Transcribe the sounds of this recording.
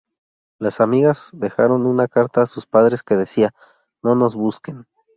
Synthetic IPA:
lasamiɣazðe̞xaɾo̞nunakaɾt̪aːsuspaðɾe̞ske̞ðe̞sia | no̞no̞zβuske̞n

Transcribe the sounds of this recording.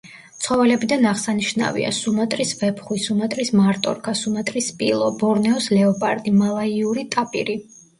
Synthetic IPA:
t̪sʰχɔvɛlɛbid̪anaʁsaniʃna̰vḭa̰sumat̪ʼɾisvɛpʰχwisumat̪ʼɾismaɾt̪ʼɔ̰ɾkʰasumat̪ʼɾispʼilˠɔbɔɾnɛɔslɛɔpʼaɾd̪imalˠaiuɾit̪ʼapʼḭɾi

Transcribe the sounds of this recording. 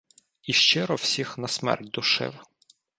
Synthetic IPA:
iʃt͡ʃɪɾɔwsʲixnɐsmɛ̰rt̚ʲd̪ʊʃɪ̰w

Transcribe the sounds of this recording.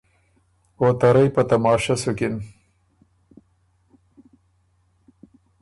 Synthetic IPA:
ot̪ɐɾɐjpɐt̪ɐmɑːʃasʊkɪn

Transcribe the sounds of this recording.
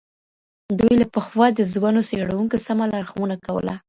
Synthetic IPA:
d̪ujlapəxwɑd̪əzwanoseɽawuŋkosamalɑɾxmunakawə̰la

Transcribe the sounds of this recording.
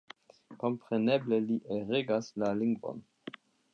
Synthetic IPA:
ko̞mpɾenebleliʔeʁeɡaslaliŋɡvo̰n

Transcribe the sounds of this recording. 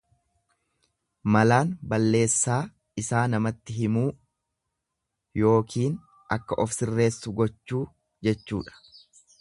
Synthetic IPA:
mɐlaːnbɐlːe̞ːsːaː | ɪsaːnɐmɐt̪ːɪɦɪmuː | jo̞ːkiːn | ʔɐkːɐʔɔfsɪrːe̞ːsːʊɡɔt͡ʃːuː | d͡ʒɛt͡ʃːṵːᶑɐ̥

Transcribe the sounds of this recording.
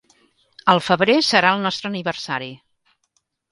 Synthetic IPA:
əlˠfəβɾesəɾaəlˠnɔst̪ɾəːniβərsaɾi

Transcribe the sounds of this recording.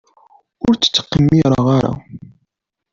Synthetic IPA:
ʊɾt͡sːə̥t͡sːə̥qːəmːiɾˤəʁaɾa̰

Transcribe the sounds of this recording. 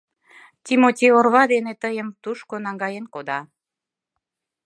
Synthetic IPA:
t̪ʲimot̪ʲeorβɑd̪enet̪əjəmt̪uʃkonɑŋɡɑjenkod̪ɑ

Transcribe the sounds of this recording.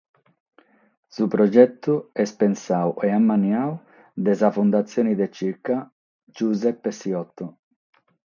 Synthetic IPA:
supɾɔd͡ʒɛt̪ːuɛspɛnsawɛamːanjaw | d̪ɛzafund̪at̪sːjɔːnid̪et͡ʃiɾka | d͡ʒuzɛpːesiɔt̪ːo

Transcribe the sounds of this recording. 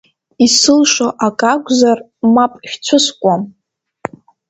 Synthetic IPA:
isɨlʂoʔakʼakʷʼzar | mapʼʃʲt͡sʷʰʊskʷʼam

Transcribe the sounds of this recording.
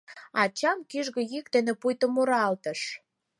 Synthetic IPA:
ɑt͡ɕɑmkiʒɣĕjik̚t̪ĕnĕpujt̪ə̆muɾɑlt̪ə̆ʃ

